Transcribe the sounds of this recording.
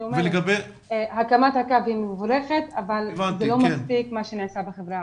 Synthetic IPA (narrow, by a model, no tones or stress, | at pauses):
omveleɡabe | hakamat̪hakabhimvuɾeχet̪avalvanzt̪elo̞maspikmaʃeniʕsabeχevɾa